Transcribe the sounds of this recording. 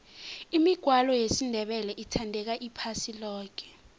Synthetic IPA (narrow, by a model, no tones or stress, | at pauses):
imiɡ̥ʱwalɔjesindʱɛɓɛlɛʔitʰandʱɛk̬aʔipʰasilɔːk̬ʰɛ̥